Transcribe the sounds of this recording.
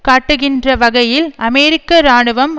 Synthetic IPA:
kaːʈːɯɣɪndrɐʋɐɣɐjɪlɐmɛɾɪkːɐɾaːɳɯʋɐm

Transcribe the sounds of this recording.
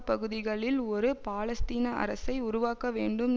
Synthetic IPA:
pɐɣɯðɪɣɐɭɪlɔɾɯpaːlɐst̪iːnɐʔɐ̰ɾɐsɐɪʊɾʊʋaːkɐʋeːɳɖɯm

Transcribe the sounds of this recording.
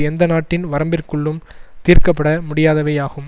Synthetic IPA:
ɛnd̪ɐnaːʈːɪnʋɐɾɐmbɪrkɯɭːɯm | t̪iːɾkɐpːɐɽɐmʊɽɪjaːðɐʋɐjaːɣɯm

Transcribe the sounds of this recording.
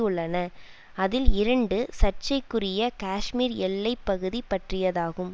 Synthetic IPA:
ɯɭːɐnɐ | ɐðɪlɪɾɐɳɖɯsɐt͡ʃːɐɪkːɯrɪjɐkaːʂmiːɾɛlːɐɪpːɐɣɯðipːɐʈrɪjɐðaːɣɯm

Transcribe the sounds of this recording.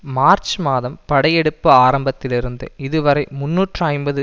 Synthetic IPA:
maːɾt͡ʃmaːðɐmpɐɽɐjɛɽɯpːɯaːɾɐmbɐt̪ːɪlɪɾɯnd̪ɯ̰ɪðɯʋɐɾɐɪmʊnːuːʈrɐɐɪnbɐðɯ

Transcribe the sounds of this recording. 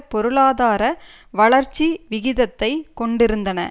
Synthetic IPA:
pɔɾɯɭaːðaːɾɐ | ʋɐɭɐɾt͡ʃːiʋɪɣɪðɐt̪ːɐɪkɔɳɖɪɾɯnd̪ɐnɐ̰

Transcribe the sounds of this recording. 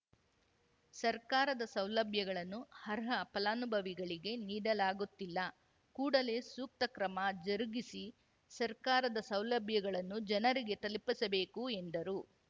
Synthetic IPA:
sɐɾkaːɾɐd̪ɐsɐwlɐbʱjɐɡɐɭɐnːuhɐɾɦɐpɐlaːnubʱɐʋiɡɐɭiɡe̞niːɽɐlaːɡut̪ːilːɐ | kuːɽɐle̞ːsuːk̚t̪ɐkɾɐmɐd͡ʒɐɾɡisi | sɐɾkaːɾɐd̪ɐsɐwlɐbʱjɐɡɐɭɐnːud͡ʒɐnɐɾiɡe̞t̪ɐlpisɐbe̞ːkue̞nd̪ɐɾu

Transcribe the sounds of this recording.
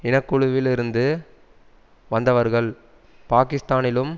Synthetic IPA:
ɪnɐkːɯɻʊʋɪlɪɾɯnd̪ɯ | ʋɐnd̪ɐʋɐɾɣɐɭ | paːkɪst̪aːnɪlɯm

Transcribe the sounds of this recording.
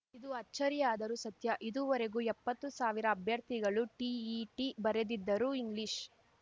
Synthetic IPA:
id̪uɐt͡ʃːɐɾijaːd̪ɐɾusɐt̪jɐʔid̪uʋɐɾeɡuɛpːɐt̪ːusaːʋiɾɐːbʱjɐɾt̪ʰiɡɐɭuʈiiʈibɐɾed̪id̪ːɐɾuiŋɡliʃ

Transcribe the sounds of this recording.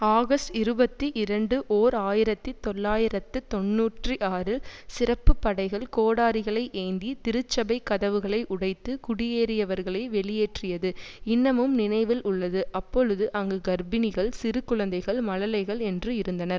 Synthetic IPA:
aːɣɐstɪɾɯbɐt̪ːiʔɪɾɐɳɖɯʔoːɾaːjɪɾɐt̪ːit̪ːɔɭːaːjɪɾɐt̪ːɯt̪ɔnːuːʈrɯʔaːɾɪlsɪrɐpːɯpːɐɽɐɪɣɐɭkoːɽaːɾɪɣɐɭɐɪʔeːnd̪it̪ɪɾɯt͡ʃːɐbɐɪkːɐðɐʋɯɣɐɭɐɪʔʊɽɐɪt̪ːɯkʊɽɪjeːɾɪjɐʋɐɾɣɐɭɐɪʋɛɭɪjeːʈrɪjɐðɯɪnːɐmɯmnɪnɐɪʋɪlʊɭːɐðɯʔɐpːɔɻɯðɯʔɐŋɡɯɡɐɾbɪnɪɣɐɭsɪɾɯkːɯɻɐnd̪ɐɪɣɐɭmɐɻɐlɐɪɣɐɭɛndrɯɪɾɯnd̪ɐnɐɾ

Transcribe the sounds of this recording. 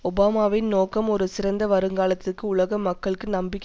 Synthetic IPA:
ɔbaːmaːʋɪnnoːkːɐmɔɾɯsɪɾɐnd̪ɐʋɐɾɯŋɡaːlɐt̪ːɯrkːɯʊɭɐɣɐmːɐkːɐɭɯkːɯnɐmbɪkː

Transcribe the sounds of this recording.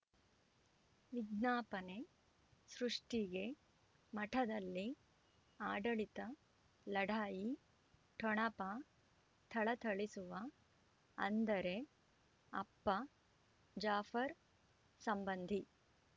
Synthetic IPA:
ʋiɡ̪naːpɐne | sɾuʂʈiɡe̞ | mɐʈʰɐd̪ɐlːi | aːɖɐɭit̪ɐ | lɐɽʱaːji | ʈʰɔɳɐpa | t̪ʰɐɭɐt̪ʰɐɭisuʋɐ | ɐ̰nd̪ɐɾe̞ | ɐ̰pːɐ | d͡ʒaːfɐɾ | sɐmbɐnd̪ʱi

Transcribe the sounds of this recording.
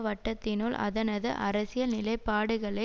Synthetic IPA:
ʋɐʈːɐt̪ːɪnulʔɐ̰ðɐnɐðɯ̰ʔɐ̰ɾɐsɪjɐnɪlɐɪpːaːɽɯɣɐɭɐ

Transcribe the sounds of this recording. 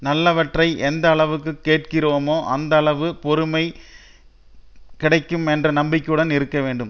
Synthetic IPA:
nɐlːɐʋɐʈrɐɪʔɛnd̪ɐːɭɐʋɯkːɯkːeːʈ̚kɪroːmoːʔɐnd̪ɐːɭɐʋɯpɔɾɯmɐɪ | kɪɽɐɪkːɯmɛndrɐnɐmbɪkʲːɯɽɐnɪɾɯkːɐʋeːɳɖɯm

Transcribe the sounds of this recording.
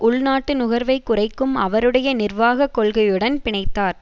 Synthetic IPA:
ʔʊɭnaːʈːɯnʊɣɐɾʋɐɪkːʊrɐɪkːɯmɐʋɐɾɯɽɐjɐnɪrʋaːɣɐkːɔɭɣɐjɯɽɐnpɪɳɐɪt̪ːaːɾ

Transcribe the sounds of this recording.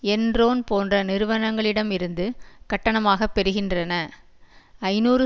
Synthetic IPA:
ɛndroːnpoːndrɐnɪɾɯʋɐnɐŋɡɐɭɪɽɐmɪɾɯnd̪ɯkɐʈːɐɳɐmaːɣɐpːɛɾɯɣɪndrɐnɐ | ɐɪnuːɾɯ

